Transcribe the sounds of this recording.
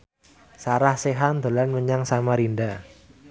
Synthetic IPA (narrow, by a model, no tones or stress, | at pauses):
saɾahseɦand̪o̤lanməɲaŋsamaɾinda